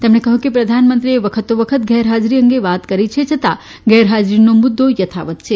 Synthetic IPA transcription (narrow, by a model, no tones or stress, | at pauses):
t̪emnekəɦũkipɾəd̪ʱanmənt̪ɾieʋəkʰət̪oʋəkʰət̪ɡʱɛɾɦad͡ʒɾiəŋɡeʋat̪kəɾit͡ʃʰet͡ʃʰət̪a | ɡɛːɾɦad͡ʒɾinomʊd̪ʱːojət̪ʰa̰ʋət̪̚t͡ʃʰe